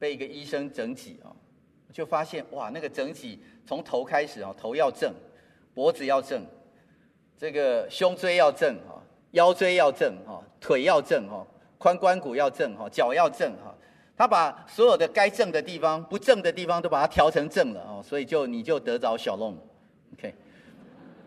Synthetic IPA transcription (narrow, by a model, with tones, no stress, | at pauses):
pe˥˩ɪi˧˥ɡə˨i˥ʂə˦ŋʈ͡ʂə˧˥ŋt͡ɕḭ˨˩˦xɔ̰˥˩ | wɔ˨˩t͡ɕjo˥˩ʊfa˦˥ɕjɛ˥˨nwa˨na˥˩ɡə˨˩ʈ͡ʂə˧˥ŋt͡ɕi˨˩t͡sʰo˧˦ŋt̪ʰo˧˦ʊkʰa˥ɪʂɻ̩˨˩xɔ̰˨˩t̪ʰo˧˦ʊjɑ˥˧ʊʈ͡ʂə˥˩ŋ | pwɔ˧˦˥d͡zɹ̩˨jɑ˥˧ʊʈ͡ʂɤ˥˨˩ŋ | ʈ͡ʂə˥˩ɡə˩ɕjʊ˦ŋt͡swe˥ɪjɑ˥˧ʊʈ͡ʂə˥˨˩ŋxɔ̰˨˩ | jɑ˥˦ʊt͡swe˥ɪjɑ˥˧ʊʈ͡ʂə˥˩ŋhɔ̰˥˨˩t̪ʰwe˨˩ɪjɑ˥˧ʊʈ͡ʂə˥˩ŋhɔ̰˥˨˩ | kʰwa˦nkwa˦nku˨jɑ˥˧ʊʈ͡ʂə˥˩ŋɦɔ˥˨˩t͡ɕjɑ˨˩ʊjɑ˥˧ʊʈ͡ʂə˥˨ŋhɔ̰˥˩ | t̪ʰa˥pa˨˩swɔ˧˦˥jo˨˩ʊd̪ə˦ka˥ɪʈ͡ʂə˥˩ŋd̪ə˨t̪i˥˩fɑ˦ŋpu˨˦ʈ͡ʂə˥˨˩ŋd̪ə˨t̪i˥˩fɑ˨˦ŋt̪o˥ʊpa˨˩a˥t̪ʰjɑ˧˥ʊʈ͡ʂʰɤ˧˦ŋʈ͡ʂə˥˩ŋlə̰˩hɔ˥˩swɔ˧˥i˨t͡ɕjo˥˩ʊni˨˩t͡ɕjo˥˩ʊt̪ɤ˧˦t͡sɑ˧˥ʊɕjɑ˨˩ʊlʊ˥˩ŋ | o˨kʰe˥˩ɪ